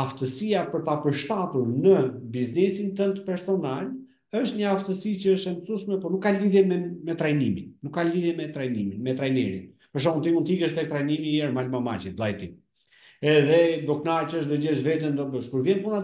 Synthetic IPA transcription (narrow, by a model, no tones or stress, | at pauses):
aft̪əsiapəɾt̪apəɾʃt̪at̪uɾnəbiznɛsint̪ənt̪pɛɾsɔnal | əʃt̪ɲəaft̪əsit͡ɕəəʃt̪ɛmsuʃmɛpɔnukːaliðjɛmɛmɛt̪ɾajniminːukːaliðjɛmɛt̪ɾajniminmɛt̪ɾajnɛ̰ɾḭ | əʃ̬aunt̪imunt̪ikəʃt̪ɛk̚t̪ɾajnimiɛɾmalmama̰t͡ʃit̪lˠajt̪i | ɛðɛd̪ɔknat͡ɕəəʃ̬d̪ɔd͡ʑəʃvɛt̪ənd̪ɔbəʃkuɾvjɛnpuna